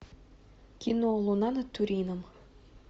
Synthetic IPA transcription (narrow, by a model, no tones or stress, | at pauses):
kʲinolˠonɑnɤt̪ːuɾʲinəm